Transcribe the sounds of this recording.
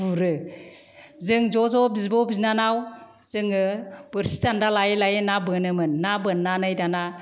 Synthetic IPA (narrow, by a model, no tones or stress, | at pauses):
buɾɯ | zɯŋd͡ʒɔzɔbizbɔbiznanaw | z̥ɯŋɯb̥ɯɾsi̥tandalajlajenabɯnɯmɯnːabɯnːanɯjdana